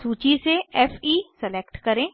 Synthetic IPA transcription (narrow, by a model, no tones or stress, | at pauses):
suːt͡ʃiseɛːfʰiːsɛleːkʈkɐɾẽː